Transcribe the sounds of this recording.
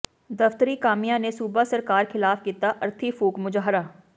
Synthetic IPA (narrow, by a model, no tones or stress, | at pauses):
d̪ɐft̪əɾikaːmijãnesuːbasɐɾkaːɾxɪlaːfkiːt̪aʔɐɾt̪ʰifuːkmʊd͡ʒaːɦɾaː